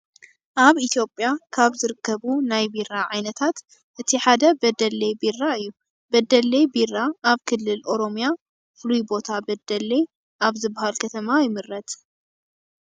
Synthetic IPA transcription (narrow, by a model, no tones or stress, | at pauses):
ʔaβit̪ʰjo̞pʼjakʰaβzɨɾɨkːɐβunajbiraʕajnɐt̪ʰat̪ | ʔɨt̪ʰiħad̪ɐbɐd̪ɐlejbirːaɨjːu | bɐd̪ɐlːejbirːaʔːβkʰɨlːɨlʔo̞ɾo̞mja | flujbo̞t̪ʰabɐd̪ɐle | ʔaβzɨbːahalkʰɐt̪ʰɐmajɪmɨɾːɐt̪